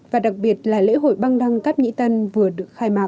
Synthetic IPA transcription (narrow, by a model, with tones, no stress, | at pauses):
vaː˨˩ɗa˨˩k̚ɓi˨˩ət̚laː˨˩lḛ˧˥ɦo̰˧˩jɓa˧ŋɗa˧ŋkaː˦˥p̚ɲḭ˧˥t̪ə˧nvɨ˨˩əɗɨ˨˩ək̚xaː˧jmaː˨˩